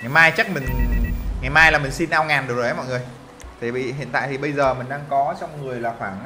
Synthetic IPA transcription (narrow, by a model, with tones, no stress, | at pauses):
ŋa˨˩jmaː˧jt͡ɕa˦˥k̚mï˨˩ŋ̟ŋa˨˩jmaː˧jlaː˨˩mï˨˩ŋ̟si˧nʔaː˧wŋaː˨˩nɗk̚zːmɔ˧˨ŋ˨˩əj | t̪ʰi˨˩ɓḭ˧˨ɦḭ˧˨ənt̪a̰ː˧˨t̪ʰi˨˩ɓə˧jzəː˨˩mï̟˨˩ɗaː˧ŋkɔ˨˦t͡ɕɔ˧wŋ͡mŋɨ˨˩əjlaː˨˩xwaː˧˩ŋ